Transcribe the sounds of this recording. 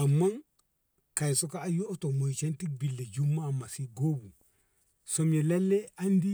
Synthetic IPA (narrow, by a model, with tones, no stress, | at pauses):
a˨mːa˦n | ka˨jso˦kaː˦jo˦to˨mo˨t͡ʃe˦nti˦k̚bi˨lːe˨d͡ʒu˦mːa˦˨ma˨si˦ɡo˦bu˨ | so˨mje˨le˦lːe˦a˦ndi˦